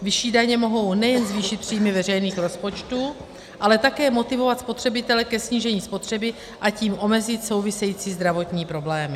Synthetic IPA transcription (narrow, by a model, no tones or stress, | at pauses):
vɪʃiːdaɲɛmo̞ɦo̞wnɛjɛnzviːʃɪt̪pr̝̥iːmɪvɛrɛjniːxɾo̞spo̞t͡ʃt̪u | ʔalɛt̪akɛːmo̞t̪ɪvo̞vat̪spo̞t̪r̝̥ɛbɪt̪ɛlɛkɛsɲiːʒɛɲiːspo̞t̪r̝̥ɛbɪ | ʔaciːmʔo̞mɛzɪt̪so̞wvɪsɛjiːt͡siːzd̪ɾavo̞t̪ɲiːpɾo̞blɛːmɪ